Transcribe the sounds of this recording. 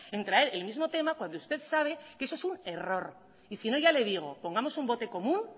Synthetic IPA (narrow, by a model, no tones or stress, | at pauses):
e̞nt̪ɾae̞ɾe̞lmizmo̞t̪e̞makwand̪oust̪e̞ðsaβ̞e̞keesoe̞sune̞ro̞ɾ | isino̞ʝale̞ð̞iɣ̞o̞̰po̞ŋɡamo̞sumbo̞t̪e̞ko̞mũn